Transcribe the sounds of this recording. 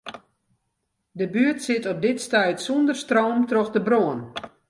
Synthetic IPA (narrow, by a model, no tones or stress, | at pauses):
dəbyətsɪtɔp̚dɪtstɛjtsundərstroːmtroxdəbroən